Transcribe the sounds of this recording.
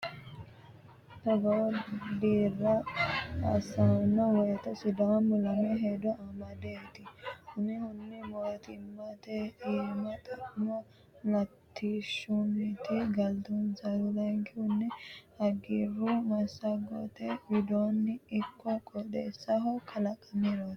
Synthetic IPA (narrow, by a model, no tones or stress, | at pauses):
t̪ɔɡɔd̪iːɾːɐ | ɐ̰sɐnɔwɔjt̪ɐsɪd̪ɔwɐmʊlɐmɛɦed̪ɔɐmɐd̪eːt̪ɪhʊnɪhʊnːɪmɔt̪ɪmːɐt̪ɛiːmɐt̪ʼɐmɔ | lɐt̪ʰːiʃʊnɪt̪ɪɡɐlt̪ɔnsɐɾɔlɐŋkɪhʊnːɛhɐɡiːɾʊmɐsːɐɡɔ̰t̪ɛbɪd̪oːnːɪɪkːɔkʼɔd̪ḛsɐɦɔkʰɐlɐkʼːɐmiɾot̪